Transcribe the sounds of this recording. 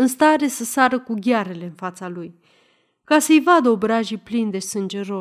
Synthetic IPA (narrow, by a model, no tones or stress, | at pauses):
ɨnst̪aɾe̞səsaɾəkuɡʲaɾe̞le̞ɨnfat̪saluj | kasəjvad̪əobɾaʒiplind̪e̞sɨnd͡ʒe̞ɾo̞